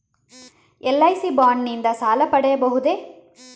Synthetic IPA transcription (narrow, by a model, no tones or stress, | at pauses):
ɛlːɐjsibaːɳːind̪ɐsaːlɐpɐɽɐjɐbɐɦud̪eː